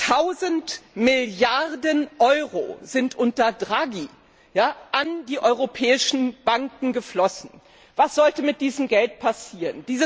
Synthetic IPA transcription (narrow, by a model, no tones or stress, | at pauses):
tʰaʊzəntmɪljaʁdənʔɔʏʁo̰zɪntʔʊntɐdʁaɡi | jaːʔandiːʔɔʏʁopʰɛːɪʃn̩b̥aŋkŋ̩ɡəflɔsn̩ | vasz̥ɔltəmɪt̚d̥iːzəmɡɛltpʰasiːʁənd̥iːzə